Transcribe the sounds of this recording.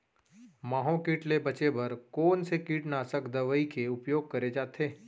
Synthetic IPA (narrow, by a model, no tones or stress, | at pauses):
maːɦõkiːʈlebɐt͡ʃebʱɐɾkoːnsekiːʈnaːsəkd̪ɐʋəikeʊpjoːɡ̚kɐɾed͡ʒaːt̪ʰeː